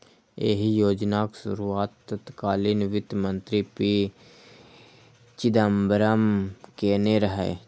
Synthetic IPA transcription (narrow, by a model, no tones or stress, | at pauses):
ḛːɦijoːd͡ʒnaksʊ̰ɾuaːt̪ːət̪kaːlinʋɪt̪mə̃nt̪ɾipi | t͡ʃɪd̪əmbəɾəmkeːneɾəɦḛː